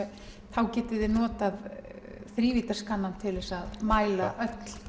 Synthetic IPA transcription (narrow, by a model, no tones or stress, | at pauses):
θawcɛːt̪ɪðɪnɔːt̪aðθɾiːviːt̪askanːant̪ʰɪlɛsaðmaːjlaʔœt̪l̥